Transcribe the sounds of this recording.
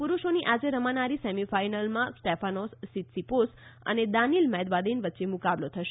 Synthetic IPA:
puɾuʃoniʔad͡ʒeɾəmanaɾisemifainəlmãsʈefʰanɔsːit̪siposə̰ned̪anilmɛd̪bad̪inʋətːʃemʊkablot̪ʰəʃ

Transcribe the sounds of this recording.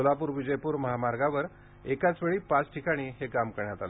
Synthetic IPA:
olapuːɾʋid͡ʑəjpuːɾməɦamaɾɡaʋəɾ | ekat͡sʋeɭiːpat͡sʈʰikaɽ̃iːɦekamkəɾɳjat̪al

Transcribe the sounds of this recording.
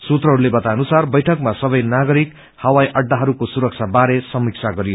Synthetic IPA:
sut̪rʌɦʌɾulebʌt̪ajʌnusarbʌjʈʰʌkmasʌbʌjnaɡʌɾik | hʌwajʔʌɖːaɦʌɾukosuɾʌk̚t͡sʰabaɾesʌmik̚t͡sʰaɡʌɾijo

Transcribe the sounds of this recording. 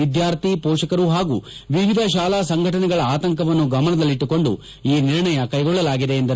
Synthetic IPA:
id̪jaːɾt̪ipɔːʂɐkɐɾuɦaːɡuːʋiʋid̪ʱɐʃ̬aːlaːsɐŋɡʱɐʈɐnɛɡɐɭɐaːt̪ɐŋkɐʋɐnːuɡɐmɐnɐd̪ɐlːiʈːuko̞ɳɖṵ | iːniɾɳɐjɐkɐjɡɔɭːɐlaːɡid̪e̞ːnd̪ɐɾ

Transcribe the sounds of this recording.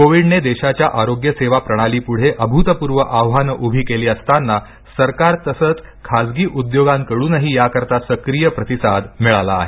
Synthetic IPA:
koʋiɖned̪eɕat͡ɕjaʔaɾoɡjəseʋapɾəɽ̃aliːpuɽ̤eʔəbʱut̪əpuɾʋəʔawɦanəʔubʱiːkeliːəst̪anːa | səɾkaɾt̪əsət͡skʰasɡiːʔud̪joɡãŋkəɽuːnəɦiːjakəɾt̪asəkɾijəpɾət̪isad̪miɭala̰ːɦe

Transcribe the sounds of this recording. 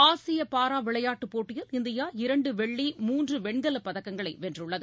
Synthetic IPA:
aːsɪjɐpaːɾaːʋɪɭɐjaːʈːɯpːoːʈːɪjɐlɪnd̪ɪjaːɪɾɐɳɖɯʋɛɭːimuːndrɯʋɛɳɡɐlɐpːɐðɐkːɐŋɡɐɭɐɪʋɛndrɯɭːɐðɯ

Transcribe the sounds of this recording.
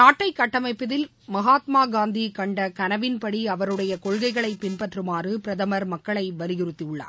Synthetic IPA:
naːʈːɐɪkːɐʈːɐmɐɪpːɯðɪl | mɐɣaːt̪maːɡaːnd̪ikɐɳɖɐkɐnɐʋɪnpɐɽiɐʋɐɾɯɽɐjɐkɔɻɣɐɪɣɐɭɐɪpɪnpɐʈrɯmaːrɯpɪɾɐðɐmɐɾmɐkːɐɭɐɪʋɐlɪɣɪrɯt̪ːiɯɭːa̰ːɾ

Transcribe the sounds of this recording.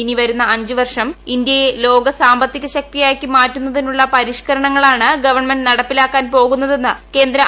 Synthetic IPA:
iniʋɐɾunːɐɐɲd͡ʑɨʋɐrʂɐmind̪jejelo̞ːɡɐsaːmbɐt̪ːiɣɐɕɐk̚t̪ijaːjkːɨmaːtːunːɐðinuɭːɐpɐɾiʂkɐɾɐɳɐŋːɐɭaːɳɨɡɐʋɐrɳmenɖnɐɽɐpːilaːkːaːnpo̞ːɣunːɐðe̞nːɨke̞ːnd̪ɾɐ

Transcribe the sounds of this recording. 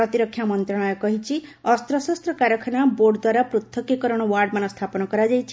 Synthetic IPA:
ɾɔt̪iɾɔkʰjamɔnt̪ɾɔɽ̃ɔjɔkɔɦit͡ʃʰiɔst̪ɾɔsɔst̪ɾɔkaɾjɔkʰɔñaboɾɖd̪waɾapɾut̪ʰːɔkekɔɾɔɽ̃ɔwaɾɖmanɔst̪ʰapɔnɔkɔɾad͡ʒajt͡ʃʰi

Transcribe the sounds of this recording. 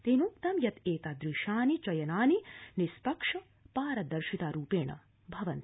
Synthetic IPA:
t̪enuk̚t̪ɐmjɐt̪eːt̪aːd̪ɾiʃaːnit͡ʃɐjɐnaːninispɐkʂɐ | paːɾɐd̪ɐɾʃit̪aːɾuːpeːɳɐ̰ | bʱɐʋɐnt̪

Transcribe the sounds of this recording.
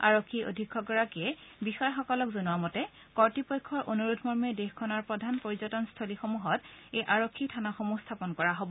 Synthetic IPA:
a̰ɹokʰːio̰dʱikʰːɔɡɔɹakiɛbixɔjɔxɔkɔlɔkzonuwamɔtɛ | kɔɹtipɔjkʰːɔɹʔonuɹudʰʱmɔɹmɛdexkʰɔnaɹpɹɔdʱanpoɹizɔtɔnstʰolixomuɦɔtejʔaɹokʰːitʰanaxomustʰapɔnkɔɹaɦobɔ

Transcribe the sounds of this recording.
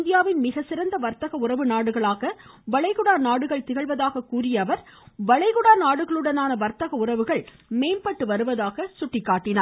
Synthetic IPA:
nd̪ɪjaːʋɪnmɪɣɐsɪɾɐnd̪ɐʋɐɾt̪ɐɣɐʊrɐʋɯnaːɽɯɣɐɭaːɣɐʋɐɭɐɪɣʊɽaːnaːɽɯɣɐɭt̪ɪɣɐɭʋɐðaːɣɐkuːɾɪjɐːʋɐɾʋɐɭɐɪɣʊɽaːnaːɽɯɣɐɭɯɽɐnaːnɐʋɐɾt̪ɐɣɐʊrɐʋɯɣɐɭ | meːnpɐʈːɯʋɐɾɯʋɐðaːɣɐsʊʈːɪkːaːʈːɪnaː

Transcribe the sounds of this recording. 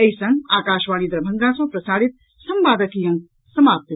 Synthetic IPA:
ɐisɐ̃ŋɡaːkaːʃʋaːliːd̪ɾɐbʱɐ̃nɡ̪ãːsɐ̃ːpɾɐsaːɽit̪̚ | sɐmʋaːd̪ɐkiːjɐ̃ŋ | sɐmaːp̚t̪i

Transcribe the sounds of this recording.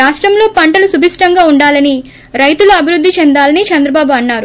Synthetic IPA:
aːʂʈɾɐmlo̞ːpɐɳʈɐlusubʱiʂʈɐŋɡaːuɳɖaːlɐni | ɾɐjt̪uluɐbʱiɾud̪ʱːit͡ʃɛnd̪aːlɐnit͡ʃɐnd̪ɾɐbaːbuɐnːaːɾu

